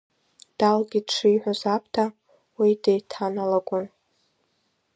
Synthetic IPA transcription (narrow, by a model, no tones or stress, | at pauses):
d̥alɡʲidʂʰɨjħʷozap̚ʰtʰa | widejtʰanalaɡʷʼʊn